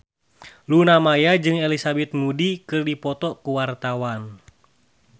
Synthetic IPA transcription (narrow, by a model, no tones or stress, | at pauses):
lunamajad͡ʒɨŋɛlisabɛt̪̚mudikɨrdipɔt̪ɔkuwart̪awan